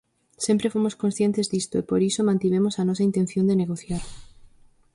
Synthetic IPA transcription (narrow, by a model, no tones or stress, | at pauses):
sempɾefomoskonsθjent̪ezðist̪oepoɾisomãnt̪iβ̞emosanosaint̪enθjond̪eneɣ̞oθjaɾ